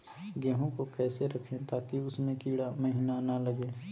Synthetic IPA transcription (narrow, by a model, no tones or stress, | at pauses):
ɡɛːɦõkokɛːseɾɐkʰẽt̪aːkiʊsmẽkiːɽaməɦiːnanaləɡẽː